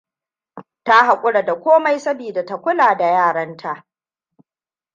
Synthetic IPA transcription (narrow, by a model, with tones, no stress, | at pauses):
ta˦ɦa˨kʷʼʊ˦ɽa˨da˨kʷoː˦ma˦jsɐ˦biː˨da˨ta˦kʷʊ˦laː˨da˨jaː˦˨ɽɐ˦ntʰa˦ʔ